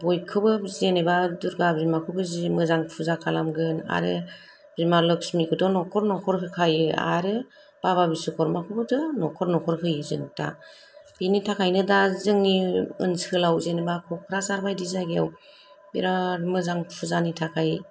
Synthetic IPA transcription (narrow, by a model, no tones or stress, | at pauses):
bɔjkʰɯbɯzenebaduɾɡabɾimakʰɯbɯzimɯzaŋpʰuzakʰalamɡɯna̰ɾɯ | bɾimalɯksmikʰɯdɔnɔkʰɔɾnɔkʰɔɾkʰɯkʰajɯa̰ɾɯ | b̥aβabisɯkʰɔɾmakʰɯbɯdɔnɔkʰɔɾnɔkʰɔɾkʰɯjɯzɯŋtʰa̰ | b̥initʰakʰajnɯdazɯŋːiɯ̰nsɯlawzenebakʰɔkʰɾasaɾbajdizaɡija̰w | bḭɾamɯzaŋpʰuzanitʰakʰaj